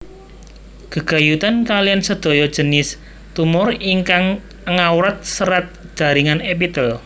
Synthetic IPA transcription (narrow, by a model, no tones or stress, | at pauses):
ɡ̥əɡ̥a̤jut̪ankalijansəd̪̥o̤jɔd̥ʒ̥ə̤nɪs | t̪umʊriŋkaŋ | əŋawɾat̪̚səɾat̪̚ʒ̥a̤ɾiŋanep̬it̪əl